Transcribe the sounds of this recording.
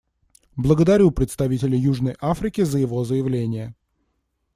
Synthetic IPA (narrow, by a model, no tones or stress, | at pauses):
blˠəɡəd̪ɐɾʲupɾʲɪt̪st̪ɐvʲitʲɪlʲɪjuʐnəjʔafɾʲɪkʲɪzəjɪvo̞zəjɪvlʲenʲɪjə